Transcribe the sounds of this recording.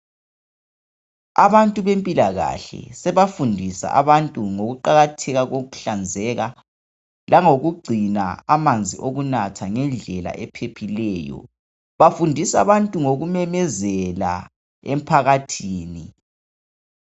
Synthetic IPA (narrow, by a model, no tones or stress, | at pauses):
a̰βantʼuβempʼilaɣa̰ɬɛ̰sɛβafundʱisa̰ʔaβantʼuŋoɣuǃaɣatʰɛɣaɣoɣuɬand͡zʱɛɣa | lʔaŋoɣuɡ͡ǀʱina̰amand͡zʱḭʔoɣunatʰaŋɛnd͡ɮʱɛla̰ʔɛpʰepʰilɛːjɔ̰ | βafundʱisaβantʼuŋoɣumɛmɛzɛla̰ | em̩pʰaɣatʰiːni